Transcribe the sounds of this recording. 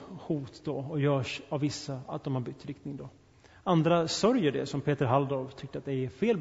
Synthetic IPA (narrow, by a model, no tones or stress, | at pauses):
huːt̪d̪ɔɔjœːʂavːɪsːaa̰t̪̚d̪ɔmhaɾbʏt̪ːɾɪk̚t̪nɪŋd̪ɔ | and̪ɾasœɾjəɖɛ̰sɔmpʰeːt̪əɾɦald̪oːɾvt̪ʰʏk̚t̪əat̪̚d̪ɛfeːl